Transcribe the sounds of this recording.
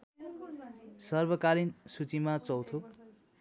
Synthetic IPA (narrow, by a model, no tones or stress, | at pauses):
sʌrbʌkalinsut͡simat͡sʌwt̪ʰo